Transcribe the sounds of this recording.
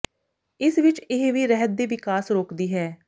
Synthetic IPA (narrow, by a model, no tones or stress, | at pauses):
ɪsʋɪt͡ʃɪɦʋiːɾɛɦəd̪̚d̪eːʋɪkaːsɾoːkd̪iːɦɛː